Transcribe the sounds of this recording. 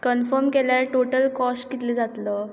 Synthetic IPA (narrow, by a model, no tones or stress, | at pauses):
kənfəɾmkeljaɾʈoʈəlkɔskit̪ləd͡zat̪lə